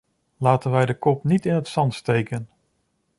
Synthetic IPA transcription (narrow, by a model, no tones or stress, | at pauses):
laːtənʋɛjdəkɔpnitɪnɦətsɑntstejkən